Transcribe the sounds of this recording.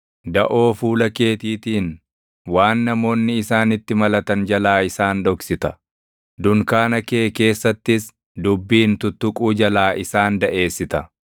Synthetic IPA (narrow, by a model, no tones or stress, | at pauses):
d̪ɐʔo̞ːfuːlɐke̞ːt̪iːt̪iːn | waːnːɐmo̞ːnːɪːsaːnɪt̪ːɪmɐlɐt̪ɐnd͡ʒɐlaːɪsaːnd̪ɔksɪt̪ɐ | d̪ʊŋkaːnɐkeːke̞ːsːɐt̪ːɪs | d̪ʊbːiːnt̪ʊt̪ːʊkʼuːd͡ʒɐlaːʔɪsaːnd̪ɐʔe̞ːsːɪt̪ɐ